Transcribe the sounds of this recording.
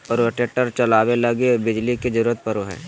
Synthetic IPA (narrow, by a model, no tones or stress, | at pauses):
ɔːɾeʈeʈəɾt͡ʃɐlaːwelɐɡebɪd͡ʒliked͡ʒɐɾuːɾət̪̚pɐɾoɦɛ̰ː